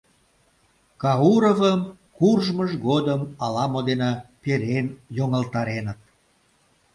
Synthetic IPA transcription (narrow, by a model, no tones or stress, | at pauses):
kɑuɾovəm | kurʒməʒɣod̪əmɑlɑmod̪enɑpeɾenjoŋəlt̪ɑɾenət̪̚